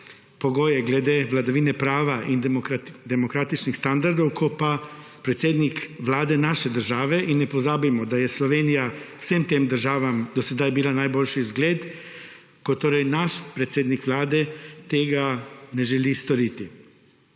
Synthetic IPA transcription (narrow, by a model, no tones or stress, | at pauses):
pɔɡoːjɛɡlɛd̪eːʋlad̪aʋiːnɛpɾaːʋaʔind̪ɛmɔkɾaːt̪it͡ʃnixst̪and̪aɾd̪ɔwkʰɔpa | pɾɛt̪seːd̪nikʋlaːd̪ɛnaʃɛd̪əɾʒaːʋɛʔinːɛpɔzaːbimɔd̪ajɛslɔʋeːnijawsemt̪eːmd̪əɾʒaːʋamd̪ɔsɛd̪ajbilanajboːlʃizɡleːt̪ | kɔt̪ːoːɾɛjnaʃpɾɛt̪seːd̪nikʋlaːd̪ɛt̪eːɡanɛʒɛlist̪ɔɾiːt̪i